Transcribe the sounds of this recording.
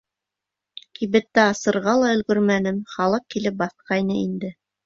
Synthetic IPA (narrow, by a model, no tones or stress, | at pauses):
kiβɘ̆t̪ːæɑsɤ̆ɾʁɑlˠɑɵ̆lɡɵ̆ɾmænɘnχɑlˠɤq̚kilɘp̚bɑθqɑjnɤind̪ɘ